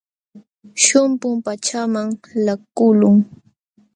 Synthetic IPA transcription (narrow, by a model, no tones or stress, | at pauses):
ʃʊmpʊmpat͡ʃamaŋlakʊlʊŋ